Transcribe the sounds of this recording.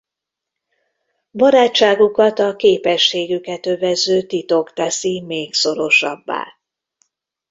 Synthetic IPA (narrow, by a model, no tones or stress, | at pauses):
bɒɾaːt͡ʃːaːɡukɒt̪ɒkeːpɛʃːeːɡykɛt̪ø̞vɛzːøːt̪it̪o̞kt̪ɛsimeːkso̞ɾo̞ʃɒ̰bːa̰ː